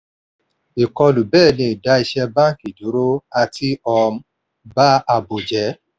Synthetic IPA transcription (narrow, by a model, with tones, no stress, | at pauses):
i˨kɔ˧lu˨bɛː˦˨nĩ˧i˨da˨˦i˧ʃɛ˧bã˦ŋ˨ki˨d͡ʒu˨˦ɾo˦a˧tʰi˦ɔ˧m˦ | ba˦a˧bo˨d͡ʒɛ˨˦